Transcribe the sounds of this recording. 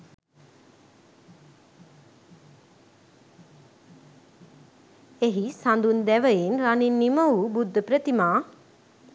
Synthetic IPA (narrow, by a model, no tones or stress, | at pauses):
eɦisand̪und̪ɛʋəjenraninːiməubud̪ʱːəpɾət̪imaː